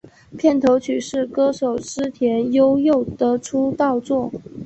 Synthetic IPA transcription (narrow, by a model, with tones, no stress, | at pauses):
pʰjɛ˥˩nt̪ʰo˧˥ʊt͡ɕʰy˨˩ʂɻ̩˥˩kɤ˥ʂo˨˩ʊʂɻ̩˥t̪ʰjɛ˧˥njo˥ʊjo˥˩ʊt̪ɤ˧˥ʈ͡ʂʰu˥t̪ɑ˥˧ʊt͡swɔ˥˩